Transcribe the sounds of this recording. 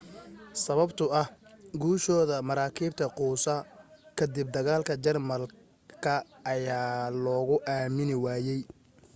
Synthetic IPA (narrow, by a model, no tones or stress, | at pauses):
sɐβɐbt̪ʰʊɐhɡuːʃɔːðɐmɐɾaːkʰiːb̚t̪ʰɐquːsɐkʰɐd̪ɪb̚d̪ɐɣaːlkʰɐt͡ʃɐrmɐl | kʰɐː | jaːlɔːɣʊʔaːmɪnɪwaːjɛj